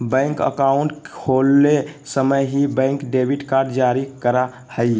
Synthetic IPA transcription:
bə̃ɪŋkə̰kauɳʈkʰolːesəməjɦibə̃ɪŋkɖebʱiʈkaɾɖd͡ʒaɾikəɾa | həj

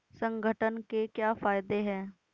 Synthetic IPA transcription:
sə̃ŋɡʱəʈənkekjaːfaːjd̪eɦɛ̃ː

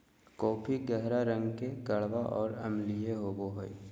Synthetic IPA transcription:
kɔːpʰiɡɛɦɾaɾə̃ŋɡkeɡɐɭʋaʔɔːɾɐmlijeɦoːɡoɦoi

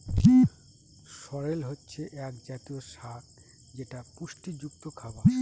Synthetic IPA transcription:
ʃɔɾelɦotːɕʰeʔɛkd͡ʑat̪ioʃat | d͡ʑeʈapuʃʈid͡ʑukt̪okʰaba

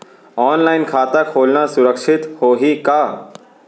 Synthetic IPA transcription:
ɔːnlaːɪnkʰaːt̪akʰoːlnasʊɾəkʃɪt̪hoːɦikaː

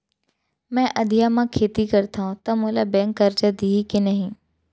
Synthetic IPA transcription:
mɛ̃ːʔɐd̪ʱijamãkʰeːt̪ikɐɾt̪aɦũt̪ɐmũːlabɛ̃ːŋkːɐɾt͡ʃad̪iːkenɐɦĩː

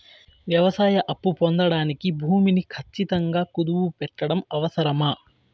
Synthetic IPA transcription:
ʋjɐʋɐsaːjɐʔɐpːupond̪ɐɽaːnikibʱuːminikʰɐt͡ʃːit̪ɐŋɡaːkud̪uʋupɛʈːɐɽɐmɐʋɐsɐɾɐmaː

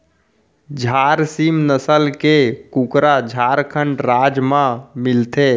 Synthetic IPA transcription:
d͡ʒʱaːɾsimnəsəlkekukɾad͡ʒʱaɾkʰəɳɖɾaːd͡ʒmãmɪlt̪e

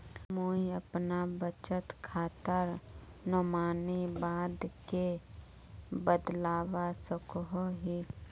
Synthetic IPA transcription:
moːiəpnabət͡ʃət̪kʰaːt̪əɾ | nɔmaːnibaːd̪ke | bəd̪laːwasəkɦoɦi

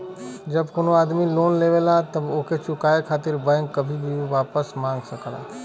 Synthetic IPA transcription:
d͡ʒɐbkonoaːd̪miloːnleːʋelat̪ɐboːkʰet͡ʃʊkaːekʰaːt̪ɪɾbəŋɡkːɐbʱibʱiʋaːpəsmãːŋɡsɐkəla̰ː

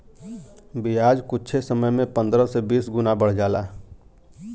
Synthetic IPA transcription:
bijaːd͡ʒkʊtːt͡ʃʰesəməjmẽpə̃nd̪ɾə̃sebiːsɡʊnabəɽ̤d͡ʒaːla̰ː

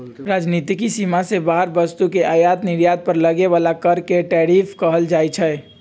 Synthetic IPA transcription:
ɾad͡ʒnit̪ikisimasebaɦəɾbəst̪ukeʔajat̪nɪɾjat̪̚pəɾləɡeʋalakəɾkeʈɛɾipʰkəɦəld͡ʒat͡ʃʰɛ

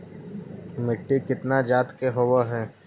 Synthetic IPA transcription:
mɪʈːikɪt̪nad͡ʒaːt̪keɦowaɦɛː

